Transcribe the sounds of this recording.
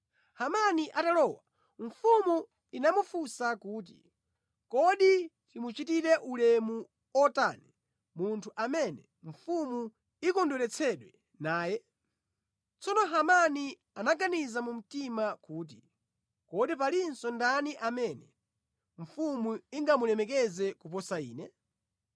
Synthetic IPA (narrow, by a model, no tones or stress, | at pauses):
hamaniʔatalɔwa | ɱ̩fumu | inamufusakuːt̬ḭ | kɔɗi | timut͡ʃitiɾɛʔulɛmu | ɔta̰nɛ | muntʰuʔamɛnɛ | ɱ̩fumu | ikɔndɔlɛt͡sʰɛɗwɛ | naːjɛ | t͡sɔnɔɦamani | anaɡanizamum̩timakuːt̬i | kɔɗip̬alinsɔndaniʔamɛnɛ | ɱ̩fumuiŋɡamulɛmɛk̬ɛzɛkup̬ɔsaḭːnɛ